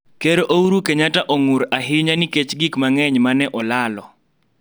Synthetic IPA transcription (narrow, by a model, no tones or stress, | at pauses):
keɾoʔouɾukeɲataʔoŋʊɾaɦɪɲaniket͡ʃɡikmaŋɛɲmanɛʔɔlalɔ